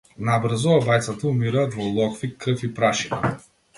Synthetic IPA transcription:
nabr̩zɔabajt̪sat̪aumiɾaːt̪vɔlˠɔkfikːɾəfipɾaʃina̰

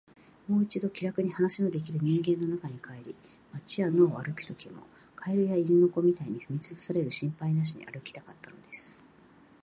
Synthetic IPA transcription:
mo̞ːit͡ɕid̪o̞kʲiɾakɯ̟ɲ̟ihanaɕimo̞d̪e̞k̬ʲiɾɯ̟ɲ̟ĩŋɡẽ̞nːo̞nakaɲ̟ikaeɾʲimat͡ɕiβano̞ːβaɾɯ̟ki̥t̪o̞kʲʰimo̞̰ | kʰaeɾɯ̟jaiɾʲino̞ko̞mʲit̪aiɲ̟iɸɯ̟mʲit͡sɨbɯsaɾe̞ɾɯ̟ɕĩmpainaɕ̬iɲ̟ḭʔa̰ɾɯ̟kʲi̥t̪akat̪ːano̞d̪e̞sɨ̥

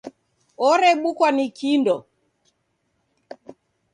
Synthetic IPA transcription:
ɔɾɛɓukwanikindɔ

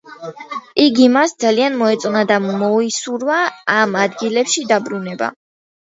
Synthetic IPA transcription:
iɡimasd̪zalianmɔɛt̪sʼnad̪amɔisuɾvaːmad̪ɡilɛpʃid̪abɾunɛba̰

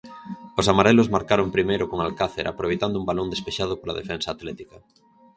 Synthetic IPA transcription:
os̬amaɾɛlozmaɾkaɾompɾimejɾʊkoŋalkaθeɾa̰pɾoβejt̪and̪ʊumbalond̪espeʃað̞opola̰ðḛfɛnsaːt̪lɛt̪ikɐ

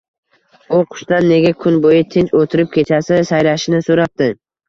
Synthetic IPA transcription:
ʊqʰʊ̥ʃt̪anːe̞ɡʲakʰʊnbojɪt̪ʰent͡ʃot̪ʰɪɾɪp̚kʲʰe̞t͡ʃʰasɪsajɾaʃɪnɪsoɾap̚t̪ɪ

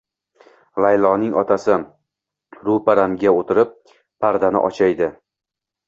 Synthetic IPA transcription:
lajlˠɒnɪŋɒt̪ʰasɪ | ɾupaɾamɡʲaot̪ʰɪɾɪp̚ːʰ | aɾd̪anɪ̰ʔɒ̰t͡ʃʰajd̪ɪ

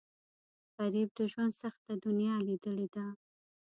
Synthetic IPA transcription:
ɣaɾib̚d̪əʒwand̪saxt̪ad̪ʊnjɑlid̪əled̪a

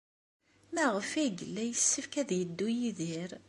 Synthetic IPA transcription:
mæʁəfæɡəlːæjəsːəfkæðjəd̪ːujiðiɾ

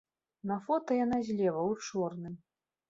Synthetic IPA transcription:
nɐfɔt̪ɐjanazʲlʲɛvɐwt͡ʂɔrnɨm

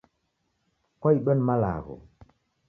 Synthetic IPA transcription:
kɔjɗɔnmala̰ɣo̰

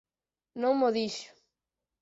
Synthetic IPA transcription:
nõŋmoðiʃʊ̥

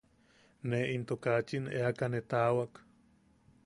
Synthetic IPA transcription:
neint̪okat͡ʃinḛakanet̪awak

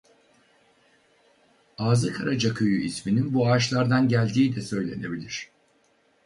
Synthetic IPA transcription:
aːzɯkʰaɾad͡ʒakʰɯjuʔismininbuaːʃlˠaɾd̪anɟælʲd̪iːd̪ɛsø̞jlʲe̞ne̞bilʲiɾ̥

